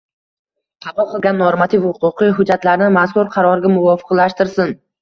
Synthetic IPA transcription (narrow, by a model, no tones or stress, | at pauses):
qʰɑvɒqɨlˠɡʲanːoɾmat̪ʰifhʊqʊqɨjɦʊd͡ʒːat̪laɾɪnɪmaskʊɾqʰɑɾɒɾɡʲamʊvɒfɨ̥qlaʃt̪ɪɾsɪn